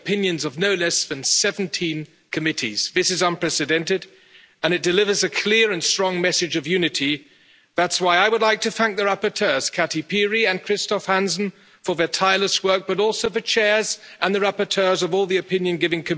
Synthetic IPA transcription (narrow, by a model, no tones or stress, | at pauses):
pʰɪ̃njɨ̃nzʌvnoʊlɛsðɨ̃nsɛṽn̩tʰĩn | kʰɨmɪɾḭz̥ðɪsɨzʌ̃npʰɹ̥ɛsɨdɛ̃ntɨd | ɨ̃nɨt̚d̥ɨlɪvə˞zɨkʰl̥ɪɹɨ̃nstɹ̥ɔ̃ŋmɛsɨd͡ʒʌvjʉnɨɾi | ðætswaɪaɪwədˡlaɪk̚tʰɨθæ̃ŋk̚ðɨɹæpə˞tʰɜ˞z̥kʰæɾipiɹiɨ̃nkʰɹ̥ɪstɑfhæ̃nsn̩ | fə˞və˞tʰaɪlˠəswɜ˞k̚b̥ʌɾɔlˠsoʊfə˞t͡ʃʰɛɹzʔə̃nðɨɹæpə˞tʰɜ˞zʌvɔlˠðiɨpʰɪ̃njɨ̃nɡɪvɪ̃ŋkʰɨm